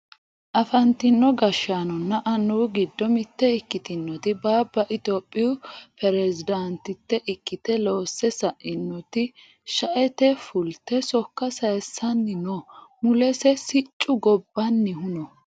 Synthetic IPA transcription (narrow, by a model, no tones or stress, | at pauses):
ʔɐfɐnt̪ɪnːɔɡɐʃːaːnɔnːɐʔɐnːuːɡɪd̪ːɔmɪt̪ːɛɪkːɪt̪ɪnːɔt̪ɪbaːbːɐʔɪt̪oːpʼːɪjʊpɛɾɛzɪd̪ɐnt̪ɪt̪ːɛʔɪkːɪt̪ɛlo̞ːsːɛsɐʔɪnːɔt̪ɪ | ʃɐʔɛt̪ɛfʊlt̪ːɛsɔkːɐsɐjsːɐnːɪnɔmʊlɛsɛsɪt͡ʃʼːʊɡɔbːɐnːɪhʊnɔ